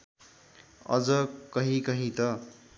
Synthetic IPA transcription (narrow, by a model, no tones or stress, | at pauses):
ʌ̰d͡zʌkʌɦĩkʌɦĩt̪ʌ